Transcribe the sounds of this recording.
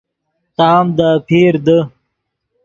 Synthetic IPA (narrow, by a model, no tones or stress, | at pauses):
t̪aːmd̪apʰiːɾd̪ə